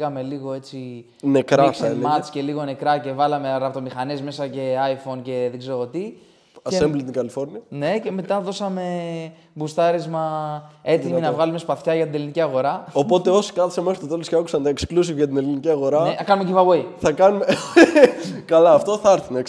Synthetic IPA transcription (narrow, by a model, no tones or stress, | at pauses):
ɣɐme̞liɣo̞e̞t͡si | nekɾɐsemɐt͡sce̞liɣo̞ne̞kɾɐce̞vɐlɐme̞ɾɐpt̪o̞mixɐnezme̞sɐce̞ɐjfo̞nce̞ðeɡze̞ɾo̞t̪i | ɐsemblt̪iŋkɐlifo̞ɾniɐne̞ce̞me̞t̪ɐðo̞sɐme̞ | bust̪ɐɾezmɐe̞t̪iminɐvɣɐlume̞spɐθçɐʝɐt̪ine̞liniciɐɣo̞ɾɐopo̞t̪e̞o̞si̥kɐθi̥semesɐst̪ot̪e̞losceɐku̥sɐnd̪ɐeksklus̬ivʝɐt̪̬ine̞liniciɐɣo̞ɾɐneɐkɐnumecivɐvoiθɐkɐnume | kɐlɐːft̪o̞θɐɾθinek